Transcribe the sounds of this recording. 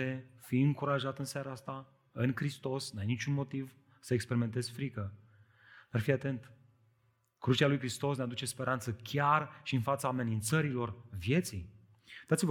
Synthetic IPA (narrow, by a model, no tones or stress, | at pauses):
e̞fiɨŋkuɾaʒat̪ɨnseaɾaast̪a | ɨŋkɾist̪o̞snajnit͡ʃunmo̞t̪iv | səekspe̞ɾime̞nt̪̬e̞zfɾikə | narfiat̪e̞nt̪ | kɾut͡ʃalujkɾist̪o̞snead̪ut͡ʃe̞spe̞ɾʔant̪səkʲʰarʃiɨnfat̪saːme̞nint̪səɾilo̞rvje̞t̪sij | d̪̥at̪siv